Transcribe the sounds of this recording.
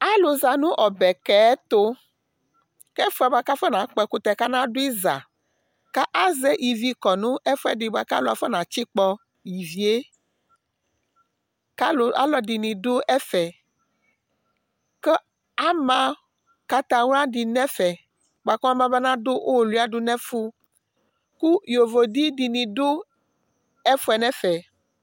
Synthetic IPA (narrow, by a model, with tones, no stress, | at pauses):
a˦lo˨za˨nũ˦ʔɔ˨bɛ˨kɛ˨ɛ˦t̪o˦ | kɛ˦fo˦ɛ˨ba˦ka˦fɛ˦nã˨˦k͡pɛ˨ku˦t̪ɛ˨ka˦nã˦do˦i˦za̰˨ | ka˦ʔa˦zɛ˦ʔi˨vi˦kɔ˨nũ˦ʔɛ˦fu˦ɛ˦di˨ba˨ka˦lo˨a˨fɛ˦nã˨t͡ɕi˦k͡pɔ˦ | ji˨vi˨e˦ | ka˦lo˨a̰˦lɔ˨di˨nĩ˨do˦ʔɛ˦fɛ˨ | kɛ˦ | a˦mã˨ | ka˦t̪ã˨wũ˦a˦ɖi˨nɛ̃˦fɛ˨ | bo˨a˨kɔ˦ã˦mã˦bɛ˦nã˦do˦ʔo˦˨lu˦a˦ɖu˦nɛ̃˦fu˦ | ku˦jo˨vo˨ɖi˦di˨nĩ˨do˦ | ɛ˦fo˦ɛ˨nɛ̃˦fɛ˨